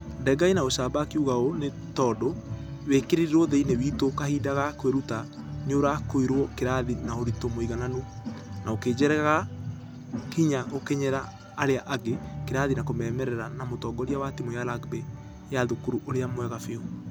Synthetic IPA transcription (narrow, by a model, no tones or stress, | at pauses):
ndɛɡainaoʃabakiuɣaone | tɔːdowekeɾeɾiɾoðeinewitokahiːdaɣakweɾuta | ɲoɾakoiɾwɔkeɾaðinaoɾitomoiɣananonaokeːd͡ʒɛɾɛɣaɣa | kiɲaɣokeɲɛɾaː | ɾeaʔaɡekeɾaðinakomɛmɛɾɛɾanamotɔːɡɔɾjawatimojalaɡbɛ | jaðokuɾuʔoɾeamwɛɣafeo